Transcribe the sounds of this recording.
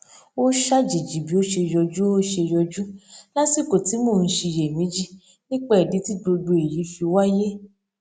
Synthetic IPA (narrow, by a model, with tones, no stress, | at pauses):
o˦ʃa˦d͡ʒi˨d͡ʒi˨bi˨˦o˦ʃe˧jɔ˧d͡ʒu˦o˦ʃe˧jɔ˧d͡ʒu˦la˦si˦˨ko˨ti˨˦mõ˦˨n̩˧˦ʃi˧˨je˨mĩ˨˦d͡ʒi˦˨ | nĩ˦k͡pɛ˦˨ɛ˨di˨˦ti˦ɡ͡bo˧do˧e˨ji˨˦fi˧wa˦je˦